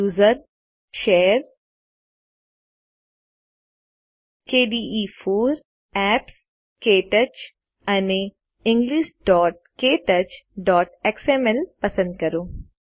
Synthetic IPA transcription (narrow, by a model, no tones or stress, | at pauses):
uːzəɾ | ʃeːɾ | keːɖiːiːfʰoːɾ | ɛːps | keːʈət͡ʃ | ɐne | ɪ̃ŋɡliːʃɖɔːʈ̚keːʈət͡ʃɖɔːʈeksɛːmɛlpɐsə̃nd̪̚kɐɾoː